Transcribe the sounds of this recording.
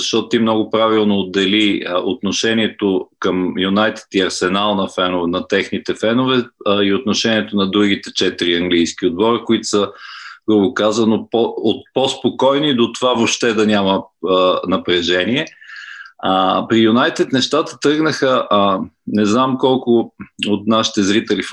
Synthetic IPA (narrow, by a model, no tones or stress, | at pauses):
zɐʃt̪ɔt̪ʊt̪imnɔɡʊpɾavilˠnoːd̪ːɛliot̪noʃɛnʲiɛt̪okəmjunajt̪ɛ̥t̪iɐɾsɛnalˠnɐfɛnʊvnɐt̪ɛxnit̪ɛfɛnʊvɛiot̪noʃɛniɛt̪onɐd̪ɾuɡ̟it̪ɛt͡ʃɛt̪iɾiɐŋɡlijsk̟ʲiod̪̚bɔɾəkoit̪ʊ̥səɡobokazənopoot̪̚pospokɔjnid̪ot̪ovavopʃt̪ɛd̪ɐnʲamə | nɐpɾɛʒɛniɛ | pɾijunajt̪ɛt̪nɛʃt̪at̪ə̥t̪ɾɤɡnəxəʔ | nɛznamkɔlˠkʊot̪naʃi̥t̪ɛzɾit̪ɛlif